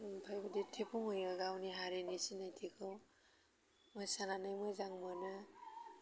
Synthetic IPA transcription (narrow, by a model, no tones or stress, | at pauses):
pʰajbaditʰipʰuŋojaɡawniɦaɾenisinajtʰikʰɯw | mojsananajmojzaŋmɔnɯ